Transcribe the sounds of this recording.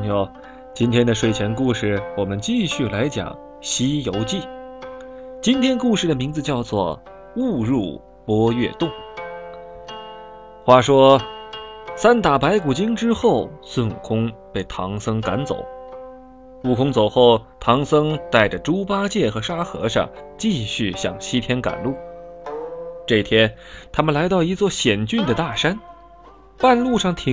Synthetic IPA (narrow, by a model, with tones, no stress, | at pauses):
jo˥˩ | t͡ɕi˥nt̪ʰjɛ˥nd̪ə˨ʂwe˥˩ɪt͡ɕʰjɛ˧˥nku˥˧ʂɻ̩˥˩wɔ˨˩mə˦nt͡ɕi˥˧ɕy˥˩la˧˥ɪt͡ɕjɑ̰˨˩˦ŋ | ɕi˥jo˧˥ʊt͡ɕi˥˩ | t͡ɕi˥nt̪ʰjɛ˥nku˥˧ʂɻ̩˥˩d̪ə˩mi˧˥ŋd͡zɹ̩˧t͡ɕjɑ˥˧ʊt͡swɔ˥˧˩ | u˥˧ɻu˥˩ | pwɔ˥ɥɛ˥˧t̪ʊ˥˩ŋ | xwa˥˩ʂwɔ˥ | sa˥nt̪a˨˩pa˧˥ɪku˨˩t͡ɕi˥ŋʈ͡ʂɻ̩˥xo˥˩ʊsʊ˥˩nṵ˨˩kʰʊ˥ŋpe˥˩ɪt̪ʰɑ˧˥ŋsɤ˥ŋka˧˥nt͡so̰˨˩˦ʊ | u˥˩kʰʊ˥ŋt͡so˨˩ʊxo˥˩ʊt̪ʰɑ˧˥ŋsɤ˥ŋt̪a˥˩ɪʈ͡ʂə˩ʈ͡ʂu˥pa˥t͡ɕjɛ˥˩xɤ˧˥ʂa˥xɤ̰˧˥ʂɑ̰˥˧ŋt͡ɕi˥˧ɕy˥˩ɕjɑ̰˨˩ŋɕi˥t̪ʰjɛ˥nka̰˨˩nlu˥˩ | ʈ͡ʂɤ˥˩t̪ʰjɛ˥n | t̪ʰa˥mə˨nla˧˥ɪɑ˥˩ʊi˧˥t͡swɔ˥˩ɕjɛ˨˩nt͡ɕy˥˩nd̪ə˩t̪a˥˩ʂa˥n | pa˥˧nlu˥˧ʂɑ˥˩ŋt̪ʰi˧˥